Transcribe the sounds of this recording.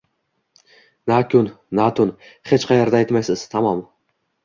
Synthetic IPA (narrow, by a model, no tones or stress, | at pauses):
nakʰʲʊn | nat̪ʰʊnχet͡ʃqʰɑjaɾd̪ajt̪majsɪz̥t̪ʰamɒm